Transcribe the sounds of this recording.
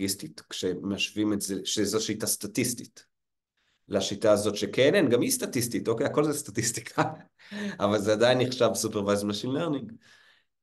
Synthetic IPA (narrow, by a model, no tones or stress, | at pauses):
istitkʃemeaʃvimetzeʃezoʃitastatistit | leaʃitaːzo̞tʃekʰenenɡamjistatistito̞ke̞jako̞lzestatisti̥kʰa | avalzeadajnːiχʃavsupeʁvajzmaʃinleʁniŋɡ